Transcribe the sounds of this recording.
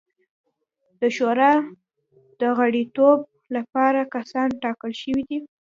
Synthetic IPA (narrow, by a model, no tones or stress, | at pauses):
d̪̥əʃoɾɑ | d̪̥əɣaɽit̪ob̚ | lapɑɾakasɑnʈɑkəlʃəwid̪i